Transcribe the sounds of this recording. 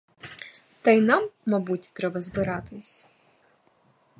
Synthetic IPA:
t̪ɐjnɑmːɐbutʲt̪ɾɛbɐzbɪɾɑt̪ɪsʲ

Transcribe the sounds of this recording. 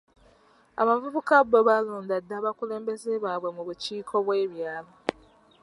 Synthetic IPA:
a̰βavuβukabːoβaloːndadːaːβakule̞ːmbe̞zeβaːβwe̞muβuciːkʰo̞βwe̞ːβjaːlo

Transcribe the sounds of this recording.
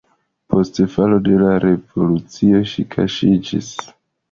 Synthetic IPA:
pʰo̞stfalo̞de̞laɾe̞vo̞lut͡sio̞ʃikʰa̰ʃid͡ʒḭs

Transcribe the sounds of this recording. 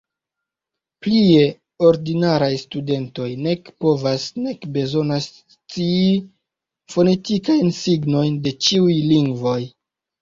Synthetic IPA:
plie̞ | oɾdinaɾajstude̞nto̞jne̞kpo̞vasne̞kbe̞zo̞nas | t͡sii | fo̞ne̞tikajnsiɡno̞jnde̞t͡ʃiujliŋɡvo̞j

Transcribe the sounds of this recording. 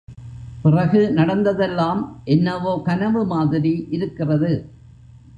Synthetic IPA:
pɪrɐɣɯnɐɽɐnd̪ɐðɛlːaːmʔɛnːɐʋoːkɐnɐʋɯmaːðɪɾiʔɪɾɯkːɪrɐðɯ

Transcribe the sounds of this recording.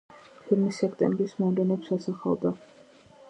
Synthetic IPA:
pʰilmisɛkʰt̪ʼɛ̰mbɾismɔmlɛnɛpsasaχa̰ld̪a

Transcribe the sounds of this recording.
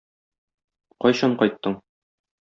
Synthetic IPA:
qɒjɕɑɴqɒjt̪ːɤɴ

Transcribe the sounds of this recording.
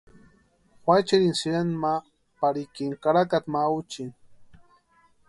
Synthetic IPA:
xʷwʷajt͡ʃiɾinsiɾanma | paɾikiŋkaɾakat̪maut͡ʃin

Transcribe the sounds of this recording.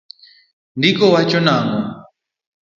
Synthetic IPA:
ndikɔwat͡ʃɔnaːŋɔ

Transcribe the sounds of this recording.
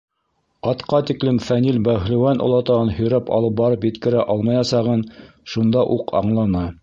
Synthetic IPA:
ɑt̪qɑt̪iklɘmfænilbæhlɘ̆wænʔŏ̰lˠɑt̪ɑʁɤnhɵ̆jɾæpɑ̰lˠɤp̚bɑɾɤpjɘ̆t̪kɘ̆ɾæʔɑlˠmɑjɑsɑʁɤn | ʃund̪ɑʔuqʰɑ̰ɴlˠɑnɑ

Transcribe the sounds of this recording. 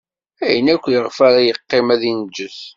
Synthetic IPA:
æjənækʷːjəʁfaɾajəqːemæðind͡ʒːəθ

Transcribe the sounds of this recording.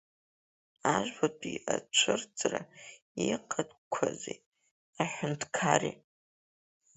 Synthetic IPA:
aʒʷᶣbapʰʼiat͡ʃʷʰɨrd͡zʼra | iqʰʼədkʷʰaze | aħʷᶣʊntʰkʰari

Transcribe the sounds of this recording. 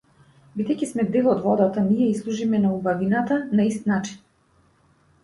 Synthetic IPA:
bid̪ɛjcismɛd̪ɛlˠɔd̪vɔd̪at̪anijɛislˠuʒimɛnaubavinat̪anaist̪nat͡ʃi̥n

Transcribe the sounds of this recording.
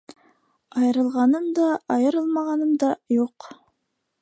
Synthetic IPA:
ɑjɤ̆ɾɤ̆lˠʁɑnɤmd̪ɑɑjɤ̆ɾɤlˠmɑʁɑnɤmd̪ɑjuq

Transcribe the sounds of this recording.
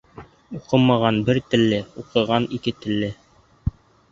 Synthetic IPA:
uqɤmɑʁɑnbɘɾt̪ɘ̆lːɘuqɤ̆ʁɑnikɘt̪ɘ̆lːɘ

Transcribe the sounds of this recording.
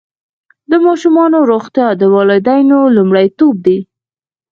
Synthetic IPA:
d̪əmɑʃumɑnoɾoxt̪jɑd̪əwɑled̪ajnolumɽajt̪ob̚d̪i

